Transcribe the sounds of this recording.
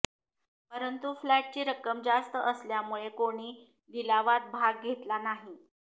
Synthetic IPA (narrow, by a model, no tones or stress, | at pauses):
pəɾənt̪uflaʈ̚t͡ɕiːɾəkəmd͡ʑast̪əʔəsljamuɭekoɽ̃iː | dilaʋat̪̚bʱaɡːʱet̪lanaɦi